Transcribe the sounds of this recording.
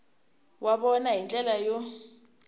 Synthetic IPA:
wʔaɓɔnaɦint͡ɬʼɛlajɔ

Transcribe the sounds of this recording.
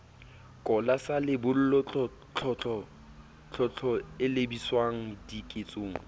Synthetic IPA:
kʼɔlasalɪbʊl̩lɔt͡ɬɔ | t͡ɬʰɔt͡ɬʰʼɔ | t͡ɬʰɔt͡ɬʰɔɪlebiswaŋ̩dikʼet͡sʼoːŋ̩

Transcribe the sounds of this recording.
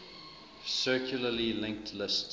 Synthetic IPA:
sɜˑkʰjuləlilɪ̃ŋk̚tʰlɪst

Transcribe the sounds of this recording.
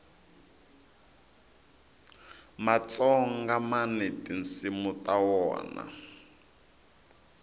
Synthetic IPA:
mat͡sɔŋ̩ɡamanɛtinsimut̪ʼawɔ̰ːna̰

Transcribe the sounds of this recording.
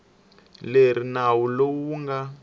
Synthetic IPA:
leɾ̤inawulowuŋɡa

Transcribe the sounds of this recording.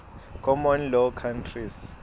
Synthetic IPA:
kʰɔmɔnlɔkʰantʰris

